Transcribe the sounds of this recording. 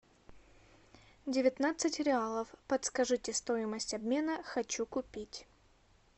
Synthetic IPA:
dʲɪvʲɪt̪nat̪sɨtʲɾʲɪalˠəfpət̪skɐʐɨtʲɪst̪o̞jɪməsʲtʲɐbmʲe̞nəxɐt͡ɕukʊpʲitʲ

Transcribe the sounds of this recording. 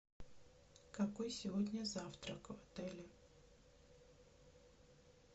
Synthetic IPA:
kɐkojsʲɪvodʲnʲəzaft̪ɾəkvɐt̪ɛlʲɪ

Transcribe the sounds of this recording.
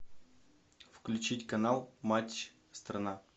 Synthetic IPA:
fklʲʉt͡ɕitʲkɐnalˠmat͡ɕ | st̪rɐna

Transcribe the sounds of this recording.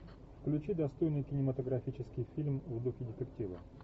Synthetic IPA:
fklʲʉt͡ɕid̪ɐst̪o̞jnɨjkʲɪnʲɪmət̪əɡɾɐfʲit͡ɕɪskʲɪjfʲilʲmvd̪uxʲɪdʲɪt̪ʲɪktʲivə̰

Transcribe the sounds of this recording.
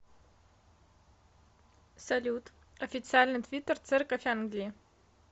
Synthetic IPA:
salʲutʰʼ | ofʲit͡sɨalʲnɨt̪ʰvʲitʰːert͡sʰɨrkʼafʲanɡlʲi

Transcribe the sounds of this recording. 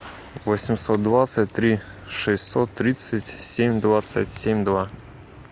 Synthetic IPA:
vɔsʲɪmsɔt̪̚d̪vat̪sətʲt̪ɾʲi | ʂɛsʲsɔt̪ːɾʲit̪sətʲsʲemʲd̪vat̪sə̰tʲsʲemʲd̪va

